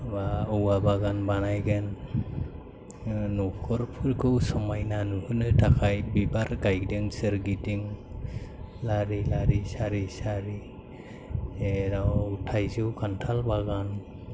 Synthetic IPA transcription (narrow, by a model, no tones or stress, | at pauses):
baɯwabaɡanbanajɡen | ɔpʰɔɾpʰɯɾkʰɯwsɔmajnanuhɯnɯtʰakʰajbibaɾɡajɡdeŋsɯɾɡidiŋ | laɾilaɾisaɾisaɾi | ɾawtʰajzɯwkʰantʰalbaɡan